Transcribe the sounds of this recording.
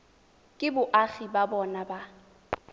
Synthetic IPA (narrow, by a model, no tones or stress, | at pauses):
kʼɪbʊʔaɣibabɔnaba